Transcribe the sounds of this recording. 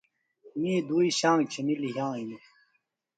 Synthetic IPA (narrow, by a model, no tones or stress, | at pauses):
mied̪uːiɕãːŋɡt͡ɕʰeniliɦãːinu